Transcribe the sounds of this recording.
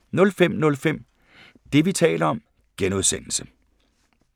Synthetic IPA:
nɔ̽lfem̰nɔ̽lfem̰ | d̥e̝ʋit͡sʰɛ̰ːlɐɒ̽m | ɡ̥enuðˠsen̰l̩sə

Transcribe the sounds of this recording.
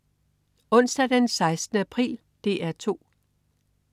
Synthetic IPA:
ɔ̽n̰sd̥æd̥ensɑ̈ɪsd̥nəæpʰʁḭːl | d̥e̝æɐt͡sʰo̝̰ː

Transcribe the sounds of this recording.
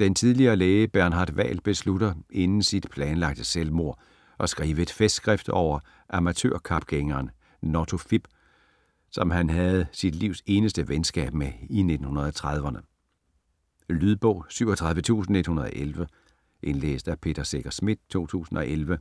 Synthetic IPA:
d̥ent͡sʰiðˠliɐːleːɪəb̥æɐnɦɑ̈ːd̥ʋɛ̰ːlb̥e̝sludɐʔe̝nn̩sid̥pʰlɛːnlɑ̈ɡ̥̚d̥əselmo̝ɐ̰ | ʔɒ̽sɡ̥ʁiːʋəed̥fesd̥sɡ̥ʁɛfd̥ɒʊ̰ɐ | ʔɑ̈mæt͡sʰø̰ɐkʰɑ̈b̥ɡ̥eŋɐːn | nɒt͡sʰofib̥ | sɒ̽mhænɦæð̩ˠsid̥liʊ̰se̝ːnəsd̥əʋensɡ̥ɛ̰ːb̥meine̝d̥n̩hunɐð̞̩ˠɒt͡sʰʁɑð̞ˠʋɐnə | lyðˠb̥ɔ̽ʊ̰syʊɒt͡sʰʁɑ̈ð̞ˠʋət͡sʰṵːsn̩e̝d̥hunɐð̞ˠɒ̰ʔelʋə | ʔe̝nlḛːsd̥æpʰe̝̰ːd̥ɐseɡ̥ɐsmid̥̚t͡sʰo̝̰ːt͡sʰṵːsn̩ɒ̽ʔelʋə

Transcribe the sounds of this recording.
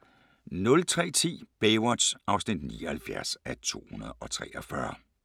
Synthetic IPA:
nɔ̽lt͡sʰʁɛ̰ːt͡sʰḭːb̥eɪwɒ̥sʔɑ̈ʊsnid̥nḭːɒhælfjæ̰ɐ̰sæt͡sʰo̝̰ːhunɐð̞ˠɒ̽t͡sʰʁɛ̰ːʔɒfɶɐ

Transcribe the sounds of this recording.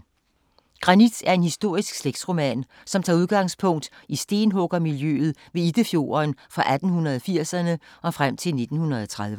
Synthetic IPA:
ɡ̥ʁɑ̈nid̥æɐe̝nhisd̥o̝ɐ̰isɡ̥sleɡ̥d̥sʁo̝mɛ̰n | sɒ̽mt͡sʰɑ̈ːuð̞ˠɡ̥ɑ̈ŋspʰɔ̽ŋ̰d̥isd̥e̝ːnɦɔɡ̥ɐmiljø̰ːð̩ˠʋe̝id̥əfjo̝̰ːɐnfʁɑ̈ʔæd̥n̩hunɐð̩ˠɒfiɐ̰sɐnəʔɒ̽fʁam̰t͡sʰe̝lne̝d̥n̩hunɐð̞ˠɒt͡sʰʁaðˠʋə

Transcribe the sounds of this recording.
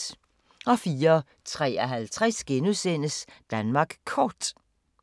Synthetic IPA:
ɒ̽fiːɐ | t͡sʰʁɛ̰ːæɦælt͡sʰʁɛsɡ̥enusen̰əsd̥ænmɑ̈ɡ̥kʰɒːd̥

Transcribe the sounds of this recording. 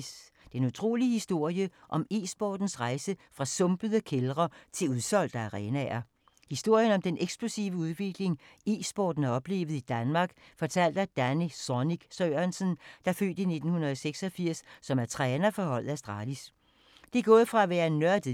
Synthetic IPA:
s | d̥enut͡sʰʁo̝̰ːlihisd̥o̝ɐ̰jəʔɒ̽misb̥ɒːd̥n̩sʁɑ̈ɪsəfʁɑ̈sɔ̽mb̥əðˠəkʰelʁɐt͡sʰe̝uð̞ˠsɒ̽l̰d̥æːʁɛːnæɐ | hisd̥o̝ɐ̰jənɒ̽md̥enʔeɡ̥sb̥losḭːʊʋəuð̞ˠʋe̝ɡ̥le̝ŋisb̥ɒ̰ːd̥n̩æɒ̽b̥le̝̰ːʋð̞̩ˠid̥ænmɑ̈ːɡ̥fɒ̽t͡sʰæl̰d̥ɐd̥ænisɒniɡ̥søːɐnsənd̥ɑ̈fø̰ːd̥ine̝d̥n̩hunɐðˠɒ̽seɡ̥sɒ̽fiɐ̰sːɒ̽mæɐt͡sʰʁɛːnɐfɒhɒ̽l̰ð̩ˠæsd̥ʁɑ̰̈ːlis | d̥e̝ɡ̥ɔ̽ːðˠfʁɑ̈æʋæːɐnɶɐd̥

